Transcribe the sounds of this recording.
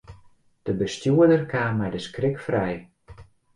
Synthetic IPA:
d̥əbəstjuədərkʰaːmɛjdəskrɪkfrɛj

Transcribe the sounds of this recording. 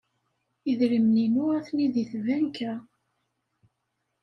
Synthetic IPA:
iðɾimninuæθniðiθvænkæ

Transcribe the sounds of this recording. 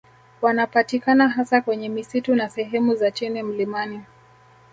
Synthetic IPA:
wanapatikanaɦasakwɛɲɛmisitunasɛɦɛmuzat͡ʃinɛm̩limani

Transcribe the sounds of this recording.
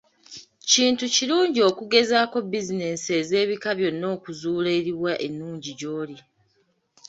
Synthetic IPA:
ciːntuciɾluːɲɟio̞kuɡe̞zaːko̞bizine̞seːze̞ːβikaβjo̞nːo̞ːkuzuːleɾiwaʔenːuːɲɟiɟo̞ːli

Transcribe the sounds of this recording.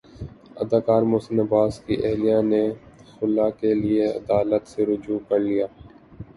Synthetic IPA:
ɐd̪aːkaːɾmoːsɪnɐbaːskiʔɛɦlijãnexʊlakelieɐ̰d̪aːlət̪seɾʊd͡ʒuːkɐɾlijaː

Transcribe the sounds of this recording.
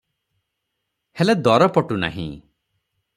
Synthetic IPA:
heled̪ɔɾɔpɔʈuna̰ɦḭ̃

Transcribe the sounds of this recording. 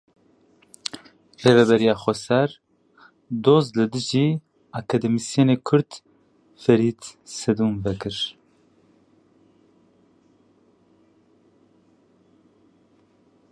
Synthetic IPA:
reːvɛbɛɾijɑːxʷɔsɛɾ | d̪oːzlɨd̪ɨʒiː | ɑkʰɑd̪ɛmisijeneːkʰʊɾd̪ | fɛɾiːt̪sɛd̪uːmbɛkɨɾ

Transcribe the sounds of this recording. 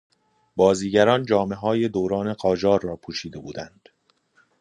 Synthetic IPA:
bɒːziːɟæɾɒːnd͡ʒɒːme̞ɦɒːje̞d̪oːɾɒːne̞ɢɒːd͡ʒɒːɾːɒːpʰuːʃiːd̪e̞buːd̪ænd̪̥

